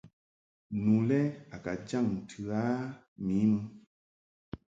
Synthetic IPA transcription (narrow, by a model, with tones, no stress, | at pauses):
nu˨lɛ˦a˨ka˨d͡ʒa˦˨ŋ˨tʰɨ˨a˦ | mi˨˦mɨ˦